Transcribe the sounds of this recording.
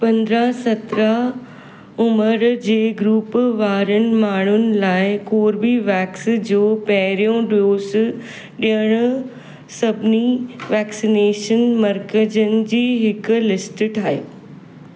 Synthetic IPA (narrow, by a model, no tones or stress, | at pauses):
pɐ̃nd̪ɾasɐt̪ɾa | ʊməɾd͡ʑeːɡɾuːpʋaːɾənɪ̆maːɳ̤ʊnɪ̆laːɪkoːɾbiʋɛːksd͡ʑoːpɐɦɪɾijõɖoːs | ɗiəɽ̃ʊ | sɐbʱɪniʋɛːksineːʃənmɐɾkəd͡ʑənɪ̆d͡ʑiːɦɪkʊ̆lɪsʈʈʰaːɦḛː